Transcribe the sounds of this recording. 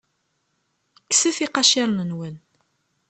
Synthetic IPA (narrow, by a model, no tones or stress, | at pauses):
ksəfiqɑʃiɾˤnənwən